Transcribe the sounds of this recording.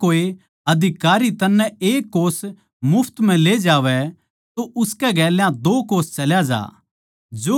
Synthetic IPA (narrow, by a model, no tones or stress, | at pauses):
oːe | ɐd̪ʱɪkaːɾit̪ɐnːɛeːkːoːs | mʊpʰt̪m̤ɛ̃leːd͡ʒaːʋɛ | t̪oʔʊskɛɡɛːljãd̪oːkoːst͡ʃɐljad͡ʒa̰ː | d͡ʒoː